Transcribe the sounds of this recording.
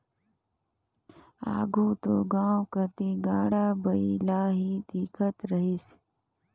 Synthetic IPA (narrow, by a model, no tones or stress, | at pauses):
a̰ːɡʱuːt̪oɡãːwkət̪iɡaːɽaːbəilaːɦiːd̪ikʰət̪ɾəɦis